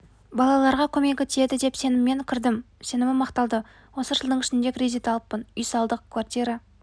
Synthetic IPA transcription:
bɑlˠɑlˠɑɾʁɑkʲʰɵme̞kʲet̪ʰe̞d̪ɪd̪e̞pse̞nɪmːe̞ŋkʲʰɪɾd̪ɪmse̞nɪmɪmɑqt̪ɑlˠd̪ə | wo̞səʒəlˠd̪əɴɪʃɪnd̪e̞kʲrʲizit̪ɑlˠəppːənʏjsɑlˠd̪əq̚kʰvart̪ijɾɑ

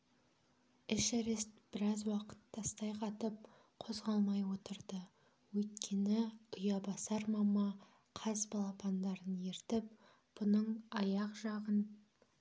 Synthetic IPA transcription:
ɪʃæɾest̪b̥ɪɾɑzwɑqə̥t̪ːɑst̪ɑjqʰɑt̪əp̚ | qʰo̞zʁɑlˠmɑjwo̞t̪əɾd̪ə | wɵjt̪kʲʰe̞nɪʊjɑbɑsɑɾmɑmɑ | qʰɑzbɑlˠɑpʰɑnd̪ɑɾənjeɾt̪ɪp̚ | b̥ʊnəɴɑjɑqʒɑʁən

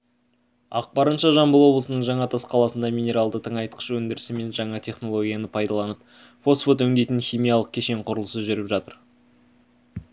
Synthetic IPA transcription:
ɑ̰q̚bɑɾənʃɑʒɑmbəlˠwo̞blˠəsənəɴʒɑɴɑt̪ʰɑsqʰɑlˠɑsənd̪ɑmʲijnʲe̞ɾɑlˠd̪ət̪ʰəɴɑjt̪əqə̥ʃwɵnd̪ɪɾɪsɪme̞nʒɑɴɑt̪ʰe̞χno̞lˠo̞ɡʲijɑnəpʰɑjd̪ɑlˠɑnəp̚ | fo̞sfot̪ɵŋd̪ejt̪ɪnχʲijmʲijɑlˠəq̚kʲʰe̞ʃe̞ɴqʰʊɾəlˠəsəʒʏɾɪpʒɑt̪əɾ

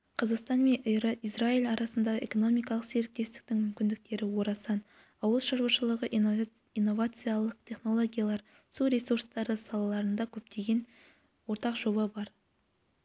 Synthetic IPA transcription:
qʰəzəqst̪ɑnme̞njɾəizraijlʲɑɾɑsənd̪ɑʁəʔe̞̰ko̞no̞mijkɑlˠəqse̞ɾɪk̚t̪e̞st̪ɪ̥k̚t̪ɪŋmʏmkʲɪnd̪ɪk̚t̪e̞ɾɪwo̞ɾɑsɑn | ɑwəlˠʃɑɾwɑʃəlˠəʁəʔ | inːo̞vat̪sɨjalˠəq̚t̪ʰʲe̞χno̞lˠo̞ɡʲijalˠɑɾ | suɾesurst̪ɑɾəsɑlˠɑlˠɑɾənd̪ɑkʲʰɵp̚t̪ʰe̞ɡʲe̞n | wo̞ɾt̪ɑqʒo̞bɑbɑɾ

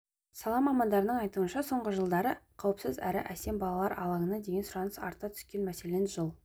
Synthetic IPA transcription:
sɑlˠɑmɑmɑnd̪ɑɾənəɴɑjt̪uənʃɑso̞ɴʁəʒəlˠd̪ɑɾəqʰɑwəpsəzæ̰ɾɪ̰ʔæse̞mbɑlˠɑlˠɑɾʔɑ̰lˠɑŋənɑd̪e̞ɡʲe̞nsʊɾɑnəsɑ̰ɾt̪ːɑt̪ʰʏ̥skʲe̞nmæse̞lenʒəlˠ

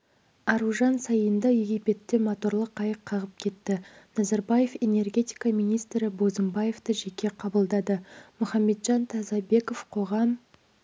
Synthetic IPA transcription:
ɑɾuʒɑnsɑjənd̪ɑje̞ɡʲijpe̞t̪ːe̞mot̪o̞ɾlˠəqʰːɑjəqʰːɑʁəp̚kʲʰe̞t̪ːɪnɑzɑɾbɑje̞fe̞ne̞rɡʲe̞t̪ʲijkamijnijst̪ɾɪbo̞zəmbɑje̞ft̪əʒe̞kʲe̞qʰɑbəlˠd̪ɑd̪əmʊχɑmːe̞t̪ʒɑnt̪ʰɑzɑbe̞ko̞fqʰo̞ʁɑm

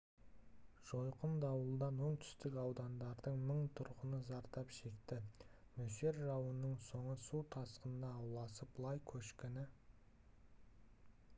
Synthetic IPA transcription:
ʒ̥o̞jqənd̪ɑwəlˠd̪ɑnwo̞ɴt̪ʰʏ̥st̪ɪkɑwd̪ɑnd̪ɑɾd̪əɴməɴt̪ʰʊɾqənəzɑɾt̪ɑpʃe̞kt̪ɪ | mɵʃe̞ɾʒɑwənəɴso̞ɴəsuwt̪ʰɑsqənənɑːwlˠɑsəp̚blˠɑjkʲʰɵʃkʲenɪ

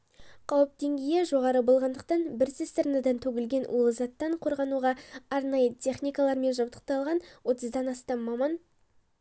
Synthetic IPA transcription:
qʰɑwəp̚d̪e̞ŋɡʲeje̞ʒo̞ʁɑɾəbo̞lˠʁɑnd̪əq̚t̪ɑnbɪɾsɪst̪əɾnəd̪ɑnt̪ʰɵɡʲɪlɡʲe̞nwolˠəzɑt̪ːɑɴqʰo̞ɾʁɑnuʁɑɑɾnɑjət̪ʰʲe̞χnʲijkalˠɑɾme̞nʒɑbt̪ə̥q̚t̪ɑlˠʁɑnwo̞t̪əzd̪ɑnɑst̪ɑmːɑmɑn

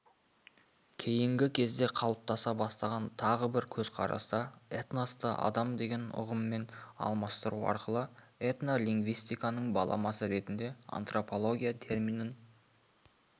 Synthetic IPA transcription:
kʲʰe̞jɪŋɡʲɪkʲʰe̞zd̪e̞qʰɑlˠəp̚t̪ɑsɑbɑst̪ɑʁɑnt̪ʰɑʁəbɪɾkʲʰɵz̥qʰɑ̰ɾɑ̰sd̪ɑet̪nost̪əʔɑ̰d̪ɑmd̪e̞ɡʲe̞nʊ̰ʁəmːe̞nɑ̰lˠmɑst̪əɾuɑ̰ɾqəlˠəet̪nolʲiŋɡvijst̪ijkanəɴbɑ̰lˠɑ̰mɑsəɾe̞t̪ɪnd̪e̞a̰nt̪ro̞po̞lˠo̞ɡʲijat̪ʰe̞rminən

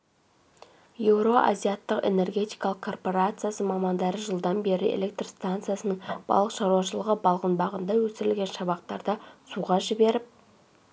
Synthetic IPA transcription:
je̞wɾo̞ʔa̰zijat̪ːəqe̞̰ne̞rɡʲe̞t̪ijkɑlˠəqkʰo̞rpo̞ɾat̪sɨjasəmɑmɑnd̪ɑɾəʒəlˠd̪ɑnbe̞ɾɪʔḛle̞k̚t̪rst̪ant̪sɨjasənəɴb̥ɑ̰lˠəqʃɑɾwɑʃəlˠəʁəbɑlˠʁənbɑʁənd̪ɑwɵsɪɾɪlɡʲe̞nʃɑβɑqt̪ɑɾd̪əsuʁɑʒɪbe̞ɾɪp̚

